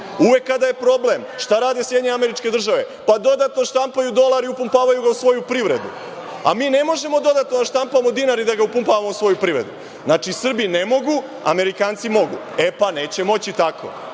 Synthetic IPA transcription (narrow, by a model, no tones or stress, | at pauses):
uʋe̞kːad̪aje̞pɾo̞ble̞mʃt̪aɾaːd̪e̞sjed̪ɲeameɾit͡ʃke̞d̪r̩ʒaʋe̞ | pad̪o̞d̪at̪noʃt̪ampajud̪o̞lˠaɾiupumpaːʋajuɡausʋo̞jupɾiʋɾe̞d̪ṵ | a̰miːne̞mo̞ʒe̞mo̞d̪o̞d̪at̪nod̪aʃt̪ampamo̞d̪iːnaɾid̪aɡaupumpaʋamousʋo̞jupɾiʋɾe̞̰d̪ṵ | znaːt͡ʃisr̩binemo̞ɡu | a̰me̞ɾikaːnt̪simo̞ɡṵ | e̞pane̞ːt͡ɕe̞mo̞t͡ɕit̪akʰo̞̰